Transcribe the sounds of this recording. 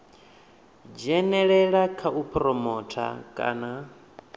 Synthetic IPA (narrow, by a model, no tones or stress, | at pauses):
d͡ʒɛnɛɺɛɺakʰaʔupʰɾɔmɔtʰa̰kʼa̰ːna